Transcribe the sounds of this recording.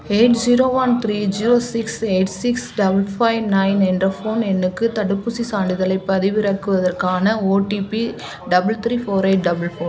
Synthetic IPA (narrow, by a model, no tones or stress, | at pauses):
eɪʈd͡ʒiɾoːʋɐnt̪ɾiːd͡ʒiːɾoːsɪkseɪʈsɪksɖɐbɐlfɐɪʋnɐɪnɛndrɐfoːnɛnːɯkːɯt̪ɐɽɯpːʊsisaːɳɖɪðɐlɐɪpːɐðɪʋɪɾɐkːɯʋɐðɐɾkaːnɐoːʈiːpi | ɖɐbɐlt̪ɾiːfoːɾeɪʈ̚ɖɐbɐlfoː